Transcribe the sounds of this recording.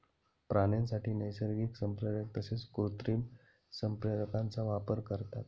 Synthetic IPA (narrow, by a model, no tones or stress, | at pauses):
pɾanensaʈʰiːnəjsəɾɡiːksəmpɾəd̪ək̚t̪əset͡skɾut̪ɾiːm | səmpɾəd̪əkãnt͡saʋapəɾkəɾt̪a̰t̪̚